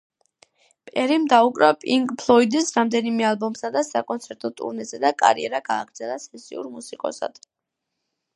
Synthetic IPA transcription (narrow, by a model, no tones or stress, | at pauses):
pʼɛɾimd̪aukʼɾapʼiŋkʼpʰlˠɔid̪isɾamd̪ɛnimɛalˠbɔmsad̪asakʼɔnt̪sʰɛɾt̪ʼɔt̪ʼṵɾnɛzɛd̪akʼa̰ɾiɛɾaɡaːɡɾd̪zɛlˠasɛsḭṵɾmusikʼɔ̰sa̰d̪̥